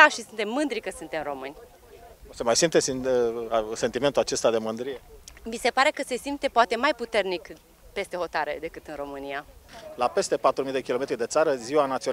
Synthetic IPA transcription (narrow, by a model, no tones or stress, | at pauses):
aʃisunt̪e̞mːɨnd̪ɾikəsɨnt̪e̞mro̞mɨnʲ | semajsimpt̪es | se̞nt̪ime̞nt̪ulat͡ʃe̞st̪ad̪e̞mɨnd̪ɾijemise̞paɾe̞kəse̞simt̪epoat̪emajput̪e̞rnik | pe̞st̪e̞ho̞t̪aɾḛd̪e̞kɨt̪ɨnro̞mɨnialape̞st̪e̞pat̪ɾumijd̪e̞kʲilo̞me̞t̪ɾid̪e̞t̪saɾəziwanat̪sio